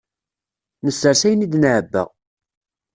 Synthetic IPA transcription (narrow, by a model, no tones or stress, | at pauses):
nəsəɾsæjənid̪nəʕəbːə̰ʁ